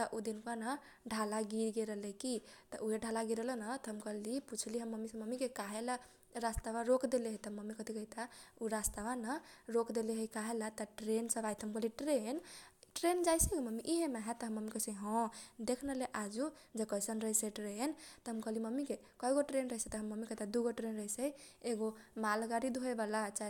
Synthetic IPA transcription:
t̪əʔud̪inkanə | ɖʱalaɡiɾɡeɾəɦlekit̪ɔʔuɦeɖʱalaɡiɾəlenət̪ɔɦəmkəliput͡ʃʰliɦəmːəmːisə̃məmikekaɦela | ɾast̪aβaɾokd̪eleɦəjt̪ɔməmːikət̪ʰikəit̪auɾast̪abanəɾokd̪eleɦəjkaɦelat̪əʈɾensəbajt̪ʰɦəmkəɦliʈɾenʈɾend͡ʒajsəɡoməmiʔiɦemaɦɛt̪əɦəmːəmikəsə̃ɦɔ̃d̪ekʰnəleʔad͡ʒud͡ʒekəjsənɾəɦjsəʈɾent̪əɦəmkəliməmːike | kɔɦjɡoʈɾenɾəɦisət̪əɦəmːəmːikəɦt̪ʰad̪uɡoʈɾenɾəɦisəjeɡomalɡaɾid̪ʱoebalat͡ʃa

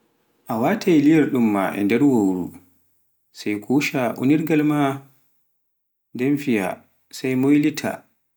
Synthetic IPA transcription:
ʔawatʰajlijɛɾɗumːa̰ʔɛ̰ndɛɾwowɾṵ | sajkʰuːʃaʔṵniɾɡalma | dɛmfija̰ | sajmojlitʰa̰

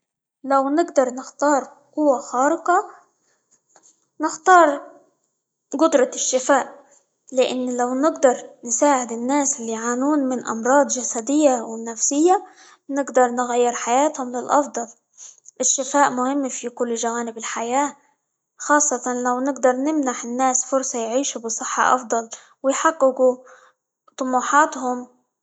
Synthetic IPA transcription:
lawnɪɡd̪ɑɾˤnɪxt̪ɑːɾˤ | qʊwːaxɑːɾɪqɑ | nɪxt̪ɑːɾˤ | ɡʊd̪ɾˤɑɪʃːɪfaːʔ | lɪʔɪnːlawnɪɡd̪ɑɾˤnɪsaːʕɪd̪ɪnːaːsɪlːiːʕaːnuːnmɪnʔɑ̰mɾˤɑːd̪ˤd͡ʒasad̪ɪjːawɪnafsɪjːa | nɪɡd̪ɑɾˤnɪɣajːɪɾħajaːt̪hʊmlɪlʔɑ̰fd̪ˤɑl | ʔɪʃːɪfaːʔmʊhɪmːfikʊlːʒawaːnɪbɪlħajaː | xɑːsˤːɑt̪ɑnlawnɪɡd̪ɑɾˤnɪmnaħɪnːaːsfʊɾsˤɑjʕiːʃubɨsˤɨħːɑ̰ʔɑ̰fd̪ˤɑl | wɪjħaɡːɪɡu | t̪ˤʊmuːħɑːt̪hʊm

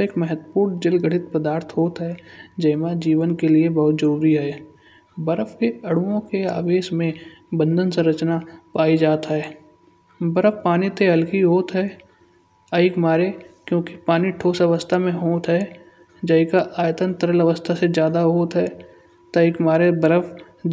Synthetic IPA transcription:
eːkmɛɦət̪puːɾd͡ʒɪlɡʱəɽɪt̪̚pəd̪aːɾt̪ʰɦoːt̪ɦɛd͡ʒɐɪmãd͡ʒiːʋənkeliebɐɦʊt̪zəɾuːɾiɦɛ | bəɾəfkeɐɽuõkea̰ːʋeːʃmẽ | bə̃nd̪ʱənsə̃ɾət͡ʃnapaːid͡ʒaːt̪ɦɛː | bəɾəfpaːnit̪ʰeɦɐlkiɦoːt̪ɦɛː | əɪkmaːɾekjõːki̥paːniʈʰoːsɐʋəst̪ʰamẽɦoːt̪ɦɛ | d͡ʒɐɪkaʔaːjt̪ənt̪əɾəlɐʋəst̪ʰasezjaːd̪aɦoːt̪ɦɛː | t̪ɐɪkmaːɾebəɾəf

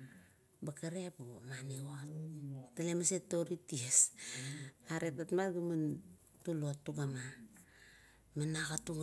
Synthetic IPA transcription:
bakaɾepomaneottalemasetoɾities | aɾetatmatɡuman | tuloatːuɡama | menakatuɡ

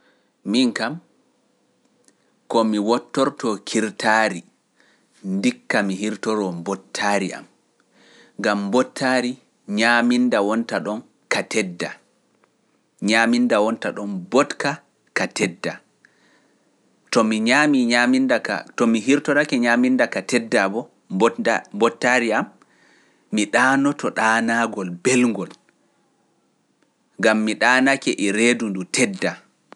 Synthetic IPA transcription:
miŋkam | kɔmiwɔtːɔɾtɔkʰiɾtaːɾi | ndikːamiɦiɾtɔɾɔmbɔtʰːaːɾia̰m | ŋɡambɔtʰːaːɾi | ɲaːmindawɔntaɗɔn | katɛdːa | ɲaːmindawɔntaɗɔnbɔtka | katɛdːa | tɔmiɲamiɲamindaka̰tɔmiɦiɾtɔnakɛɲamindakatɛdːabɔ | bɔambɔtːaɾiamː | iɗaːnɔtʰɔɗaːnaɡɔlbɛlŋɡɔl | ŋɡamːiɗaːnakɛʔɛɾeːdundutʰɛdːa

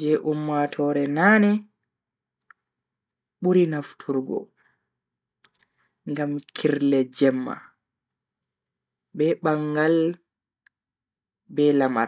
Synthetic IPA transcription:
d͡ʒɛʔumːatʰɔɾɛnani | ɓuɾinaftʰuɾɡɔ̰ | ŋɡamkʰiɾlɛd͡ʒɛmːa̰ | bɛɓaŋɡal | bɛlama̰ɾ

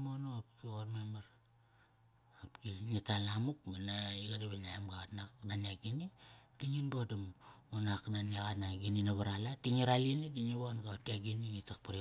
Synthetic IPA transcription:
monoapkiɣoɾmemaɾ | apkiŋitalamukmanaiɡadiβenaimɡatnaknaniaɡinid̥iŋinbodamunaknaniaɣanaɡininaβaɾalatiŋiɾalinidiŋiβonɡaotiaɡiniŋitak̚paɾi

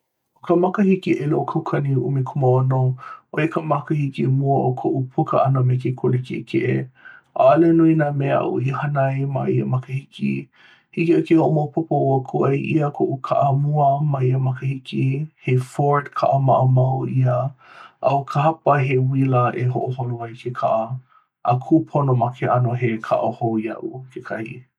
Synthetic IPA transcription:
okəmɐkəhikiʔeloʔokʰɐwkʰɐniʔumikʰoməonoʔoekəmɐkəhikimuəʔokʰoʔupʰukə̰ʔɐnəmekekʰolekḛʔkʰeʔeʔa̰ːlenuinaːmea̰ʔo̰ihɐnɐjmaiɐmɐkəhikḭ | hikiakehoʔomɐwpʰupəoəkʰoʔɐjʔiəkʰoʔukʰa̰ʔəmuəmɐiəmɐkəhikihefoɹtkʰaʔəmɐʔəmɐwiəʔɐwkʰəɦɐpəɦewiləʔeɦoʔoɦoloɐjkʰekʰaʔɐ | ʔəkʰupʰonomɐkʰeʔɐnoɦekʰa̰ʔohowjɐ̰ʔukʰekʰɐhḭ

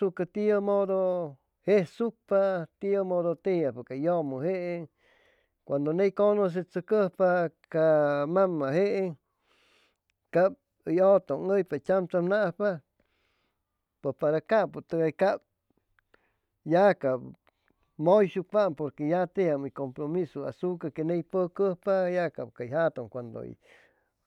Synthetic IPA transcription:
ukat̪iəmod̪o | hehsuk̚pat̪iomod̪ot̪ejapakajomuɦeʔe | kʷand̪onejkonos̬et͡səkəhpakamamːaɦeʔe | kap̚ | əjot̪oŋəjpat͡ʃʲamt͡s̪amnaʔhpa | pepaɾakapot̪əɡajkap̚ | jakab | mojʃupampoɾkejat̪ejamikompɾomisoa̰sukakenejpəkəhpajakap̚kajɦat̪omkʷand̪o̰ḭ

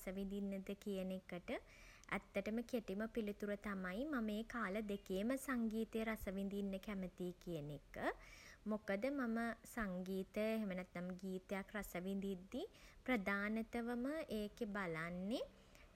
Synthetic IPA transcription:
səʋind̪inːəd̪əkijənekəʈə | ʔæ̰t̪ːəʈəməkeʈiməpilit̪uɾət̪amajmameːkaːləd̪ekeːməsaŋɡiːt̪əjəɾasəʋind̪inːəkæmət̪iːkijənekəmokəd̪əmaməsaŋɡiːt̪əeɦemənɛt̪naməɡiːt̪əjakrasəʋind̪id̪ːipɾəd̪aːnət̪əʋəməʔeːkebalanːe

